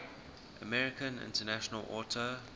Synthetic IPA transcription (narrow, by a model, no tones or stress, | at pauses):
ʔə̰mɛɹɪkə̃nɪ̰̃ntənæʃənəlʔɔːtʰə